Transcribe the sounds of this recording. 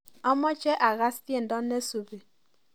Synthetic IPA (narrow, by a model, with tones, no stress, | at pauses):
ɔ˦mɔ˦t͡ʃe˦ʔa˨ɣa˦sti˦e˦˨n̩˨dɔ˦nː˦e˦su˨be˨